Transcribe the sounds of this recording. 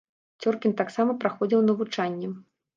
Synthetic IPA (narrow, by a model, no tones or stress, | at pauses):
t͡sʲɔrkʲint̪aksamɐpɾaxɔd͡zʲiwnɐvut͡ʂanʲːɛ